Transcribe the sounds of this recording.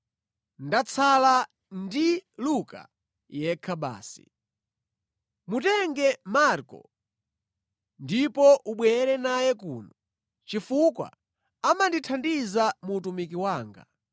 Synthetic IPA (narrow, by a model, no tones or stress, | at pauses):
ndat͡sʰala | ndiluka̰ | jɛkʰaɓa̰ːsḭ | mutɛŋɡɛmaɾkɔ̰ | ndipɔʔuɓwɛɾɛnajɛkṵːnɔ | t͡ʃifukwa̰ | amanditʰandizamuːtumikiwaːŋɡa̰